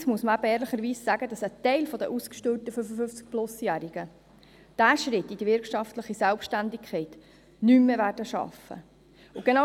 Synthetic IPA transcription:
smuəsməæbəɛːɾləχəɾʋiːsːæːɡəd̥ɑsət̪ɛɪlfɔd̪ə̰ʔuskʃtølt̪əfʏfəfʏft͡sk̚plʊsjæːɾiɡ̥ə | d̥æːʃɾɪtːid̥iʋɪɾkʃɑftləχisɛlpʃtændɪkʰχɛɪt | nymːevæːrdəʃɑ̰fə̰ | ʊɡ̥enɑ

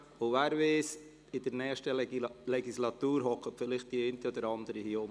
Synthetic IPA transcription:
ʊvæːɾveːs | ɪdəɾnɛːχʃtəlɛɡislɑt̪uːɾɦɔkʰətfɪlɪχt̚d̥iɛntəɔd̥̪əɾɑnd̪əɾihiom

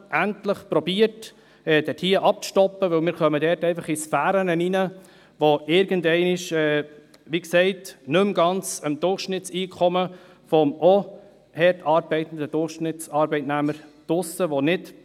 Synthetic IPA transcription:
ʔæntləχpɾɔbiːət | ɛd̥ɛtʰiːəʔɑp̚ʃtɔpːəʋɵlmɪːɾkœmədɛrtɛɪfɑχɪsfæːɾənəninə | ʋoʔɪɾɡ̥əndɛɪnɪʃɛː | ʋiksɛɪtnɵmɡɑnt͡səmd̪ʊrχʃnɪtt͡siːkʰɔmə | fɔmʔɔ | hɛrtɑːɾbɛɪt̪ən̩d̪əd̥ʊrχʃnɪtt͡sɑɾbɛɪtnæməɾd̥ʊsəʋonɪd

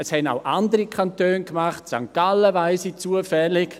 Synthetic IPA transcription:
əshɛna̰ʊʔandəɾikʰantøːnkmaχtsa̰ŋkaləʋaɪsit͡suəfɛlɪk

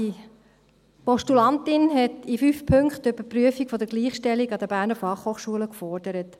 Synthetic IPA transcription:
i | pɔʃtulɑntɪnɦɛtifyːfpʰøŋkχtøb̥əpryəfikfɔdəɡliːχʃtɛliɡɑdəb̥æːɾnəfɑχhoːχʃuələkfɔɹd̥əɾət

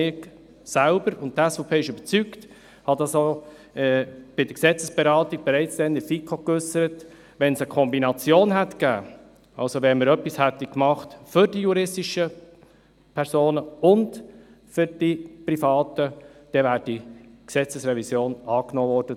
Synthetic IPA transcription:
ɪk | sælbəɾʊnt̚tːɛsfopʰeːɪʃʉb̥ət͡sykt | hɑdɑso | ɛb̥ɪdəɾksɛt͡səsb̥ɛɾɑːtiɡ̚b̥ɛɾɛɪt͡sd̥̪ɛnəfikʰokʏsəɾət | ʋɛnsəkʰɔmbinɑt͡sjoːnɦætɡ̥æː | ɑ̰lsovɛnməɾœpːishætːikmɑχtfʏɾdijuɾɪstiʃə | pʰɛɾsoːnəʊnd | fʏɾd̥iprifɑːtəd̥ɛvæːɾd̥iksɛt͡səsɾɛvisjoːnɑːknoːvɔːɾd̥ə

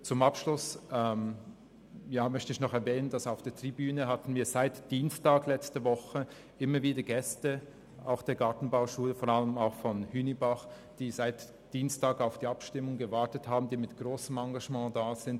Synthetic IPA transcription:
t͡sʊmapʃlʊsɛm | jaːmœçtəɪçnɔχɛɐvɛːnəndasaʊfd̥eːɐtʁ̥ibyːnəɦatn̩viːɐz̥aɪtd̥iːnstaːɡlɛt͡stəvɔχə | ʔɪmɐviːdɐɡɛstə | aʊxd̥eːɐɡaɐtn̩baʊʃuːləfoːʁaləmaʊxfɔnhyːnibaχ | d̥iːzaɪt | d̥iːnstaːɡaʊfd̥iːapʃtɪmʊŋɡəvaɐtəthaːbm̩diːmɪtɡ̥ʁoːsəmɑŋɡaʒmɑ̃ːdaːz̥ɪnt

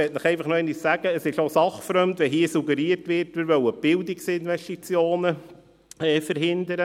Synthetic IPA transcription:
ɛtnəχɛɪfɑχnoɛnissæɡ̥əːsɪʃosɑχfɾœmdʋɛɦiːəsuɡəɾiːəɾtʋɪɾtʋɪɾʋœwəb̥ɪldɪksɪnvɛʃtit͡sjoːnə | ɛːfəɾɦɪnd̪əɾə

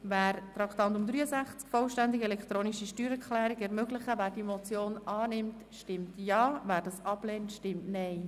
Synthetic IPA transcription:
væːɾtɾɑkt̪ɑnt̪ʊmd̪ɾyːəsæχt͡skfɔlʃtænd̪ɪɡɛlɛkt̪ɾoːniʃiʃtyːɾɛklæːɾiɡɛɾmøɡlɪχəvæːɾd̥imɔt͡sjoːnɑːnɪmt | ʃtɪmtjɑːvæːɾdɑsɑb̥lɛːntʃtɪmtnɛɪ

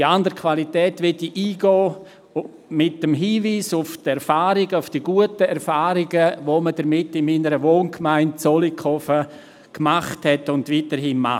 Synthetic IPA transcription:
diandəɾkʰʋalitɛːtʋɛdiʔiːɡɔː | mɪtːəmɦiːviːsʊftɛɾfaːɾiɡəʊfd̥iːɡuətəɛɾfaːɾɪɡəʋomədəɾmɪtːɪnmiːnəɾəʋoːnkmaɪnt̚t͡solikʰχɔfə | kmaχthɛtʊndʋiːtəɾɦiːnma

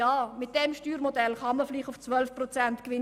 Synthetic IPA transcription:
ɑːmɪt̚d̥ɛmʃtyːɾmodɛlχɑməfliːχtʊft͡svœlfprɔt͡sæntkʋɪ

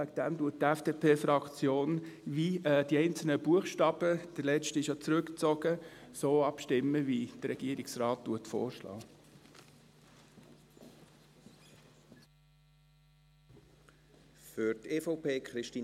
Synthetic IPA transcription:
ɛkd̥ɛmduət̚tɛfd̥eːpʰeːfɾɑkt͡sjoːnʋiɛːd̥iɛɪnt͡sl̩nəb̥uəχʃtɑb̥əd̥əlɛt͡ʃtɪʃjot͡sɾʉkt͡sɔɡ̥əsoːɑpʃtɪmːəʋid̥əɾɛɡ̥iəɾiksrɑːttuətfo̰ːʃlɑ̰ː | fʏɾteːfɔʊpʰeːkχɾɪʃtiː

